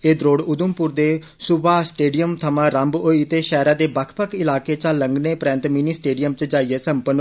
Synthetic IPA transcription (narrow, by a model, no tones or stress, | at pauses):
eːd̪ɾoːɽʊd̪ʊmpʊɾd̪eː | sʊbaːsʈeːɖijəmt̪ʰəmãːɾəmboːiːt̪eːʃɛːɾãːd̪eːbəkʰpəkʰɪlaːkeːt͡ʃaːləŋɡneːpɾɛ̃ːnt̪miniːsʈeːɖijəmt͡ʃəd͡ʒaːiːɛːsəmpən